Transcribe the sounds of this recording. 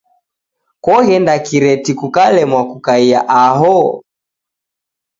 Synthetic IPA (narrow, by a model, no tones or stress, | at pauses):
kwɔɣɛndakiɾɛtikukalɛmwakukaia̰ʔaɦɔ